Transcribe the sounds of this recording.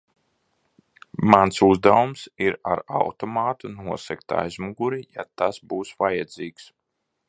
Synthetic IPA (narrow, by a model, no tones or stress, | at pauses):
mansuzd̪avumsiɾaɾa̰wt̪ɔmaːt̪unuɔsɛkt̪a̰ːjzmuɡuɾija̰t̪asbuːsvajɛd̪ziːks